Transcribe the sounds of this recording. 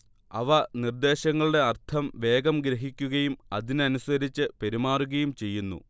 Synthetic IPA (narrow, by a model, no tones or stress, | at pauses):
ɐ̰ʋɐnird̪e̞ːɕɐŋːɐɭuɽe̞ɐrt̪ʰɐmʋe̞ːɡɐmɡɾɐɦikʲːuɣɐjumɐðinɨɐnuswɐɾit͡ɕːɨpe̞ɾimaːruɣɐjumt͡ɕe̞jːunːṵ